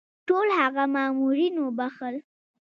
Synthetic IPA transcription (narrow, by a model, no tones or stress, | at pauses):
ʈolhaɣamɑːmuɾinobaxəl